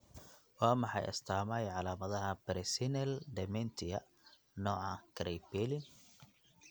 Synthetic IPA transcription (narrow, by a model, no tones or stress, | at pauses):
wɑːmɑħɑ̰jʔɐ̰st̪ʰaːmɐjʕɑlaːmɐðɐɦɐbɛɾsɪnɛld̪ɛmɛnt̪ʰɪjɐ | nɔːʕɑkʰɾɛjbɛlɪn